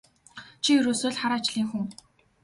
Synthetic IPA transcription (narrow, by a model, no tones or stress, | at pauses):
t͡ɕʰiɵɾoːsoːɮχaɾaːt͡ɕɮiːŋxuŋ